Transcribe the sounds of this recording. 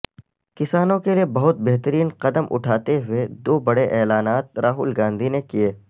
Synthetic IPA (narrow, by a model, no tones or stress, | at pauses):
kɪsaːnõkeliebɐɦʊt̪̚beɦt̪əɾiːnqɐd̪əmʔʊ̰ʈʰaːt̪eɦʊed̪oːbɐɽeʔɛːlaːnaːt̪̚ɾaːɦʊ̰ːlɡãːnd̪ʱinekieː